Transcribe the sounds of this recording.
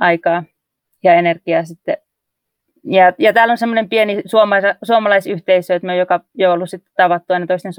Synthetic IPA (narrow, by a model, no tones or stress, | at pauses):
ʔɑikɑː | jɑenerkiɑsit̪ːe | jɑjɑt̪æːlːonsemːonempienisuomɑsɑsuomɑlɑisyht̪eisøˑt̪myøojokɑjoolːussit̪ːe̥t̪ɑʋɑt̪ːuɑinɑt̪oist̪en